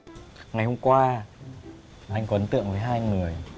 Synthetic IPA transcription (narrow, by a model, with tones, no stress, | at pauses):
ŋa˨˩jho˧mkwaː˧ | ʔa˧jŋ̟kɔ˨˧˦ə˨˦nt̪ɨ̰˧˨əŋvəː˨˦jɦaː˧jŋɨ˨˩əj